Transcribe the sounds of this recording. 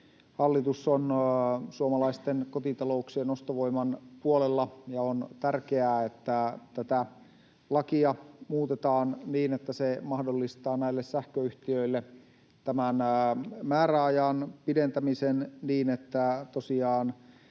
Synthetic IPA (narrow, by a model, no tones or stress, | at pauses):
hɑlːit̪usonsuomɑlɑist̪enkot̪it̪ɑlouksienost̪oʋo̞imɑnpuolelːɑjɑont̪ærkeæːet̪ːæt̪æt̪æ | lɑkiɑmuːt̪et̪ɑːnniːnet̪ːæsemɑhdolːist̪ɑːnæilːessæhkøyht̪iøilːe | t̪æmænmæːɾæɑjɑnpident̪æmisenniːnet̪ːæt̪osiɑːn